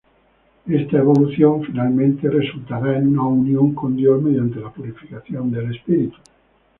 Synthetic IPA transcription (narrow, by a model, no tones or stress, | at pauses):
est̪aeβoluθjoɱfinalmẽnt̪eresult̪aβanunaunjoŋkond̪jomedjant̪elapuɾifikaθjond̪elespiɾit̪u̥